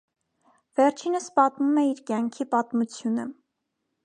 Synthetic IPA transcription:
v̥ɛɾt͡ʃʰinəspɑt̪mumɛiɾkjɑŋkʰipɑt̪mut͡sʰjunə

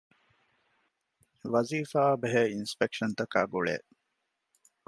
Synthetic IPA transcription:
ʋɐziːfaːbeɦeinspekʃɐnt̪ɐka̰ːɡuɭḛː

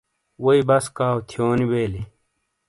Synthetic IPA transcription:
wɐibɐskaːwt̪ʰjoːnibeːli

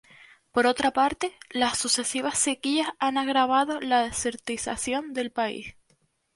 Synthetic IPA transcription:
po̞ɾo̞t̪ɾapaɾt̪e̞lasːuse̞siβasːe̞kiasanaɣɾaβ̞aðo̞laðeseɾt̪isa̰sjo̞nd̪e̞lpaḭs

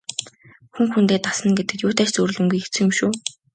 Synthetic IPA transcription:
xuŋxunt̪eːt̪asə̆nɡet̪ɘ̆kt̪jʊːt̪æːt͡ɕt͡sɵrɮɵ̆ŋɡujxet͡sɘ̆ŋɵ̆mʃuː

